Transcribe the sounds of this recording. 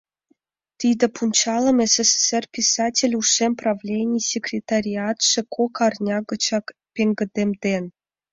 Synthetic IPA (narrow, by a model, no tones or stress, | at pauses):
t̪ʲid̪ʲĕpunʲt͡ɕɑlˠɤ̆meseseserpʲisɑtʲelʲuʂemprɑvlʲenʲijsʲekrʲet̪aɾʲiɑt̪ʂɘ̆kʰokɑrnʲɑɡɤ̆t͡ɕɑkpʲeŋɡə̆d̪ʲemd̪en